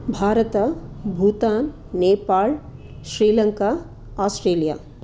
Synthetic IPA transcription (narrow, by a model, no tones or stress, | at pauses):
bʱaːɾɐt̪ɐbʱuːt̪aːn | neːpaːl | ʃɾiːlɐŋkaː | aːsʈɾeːlija̰ː